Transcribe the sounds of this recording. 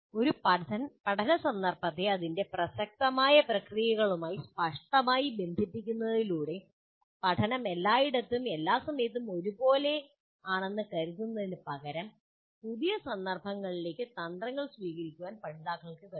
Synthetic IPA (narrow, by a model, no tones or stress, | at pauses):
o̞ɾupɐpɐʈʰɐnɐsɐnd̪ɐrbɐt̪ːeɐðinde̞prɐsɐk̚t̪ɐmaːjɐprɐkrijɐɣɐɭumaːjispɐʂʈɐmaːjibe̞nd̪ʱipːikʲːunːɐðiluːɽe̞ | pɐʈʰɐnɐme̞lːaːjiɽɐt̪ːume̞lːaːsɐmɐjɐt̪̬ːumo̞ɾubo̞ːle̞ | aːɳe̞nːɨkɐɾuðunːɐðinɨpɐɣɐɾɐm | puðijɐsɐnd̪ɐrbʱɐŋːɐɭile̞ːkʲːɨt̪ɐnd̪rɐŋːɐɭsʋiːɣɐɾikʲːuʋaːnpɐɳd̪aːkːɐɭkɨkɐ